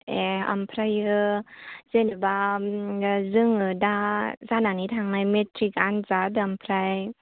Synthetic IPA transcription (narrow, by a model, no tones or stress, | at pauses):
ea̰mpʰɾajɯ | z̥enɯba | zɯŋɯdazananitʰaŋnajmetʰɾikanzadɯampʰɾaj